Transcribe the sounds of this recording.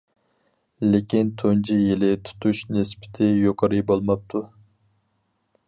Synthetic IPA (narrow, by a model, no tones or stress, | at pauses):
lɪkʲint̪ʰond͡ʒʰijilɪt̪ʰu̥t̪ʰuʃnɪspʰɪ̥t̪ʰɪjoqʰɑɾɨjbolˠmɑp̚t̪ʰu